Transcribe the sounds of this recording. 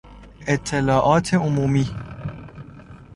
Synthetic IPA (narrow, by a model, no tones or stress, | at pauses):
ʔet̪ʰːelɒːʔɒːt̪ʰe̞omuːmiː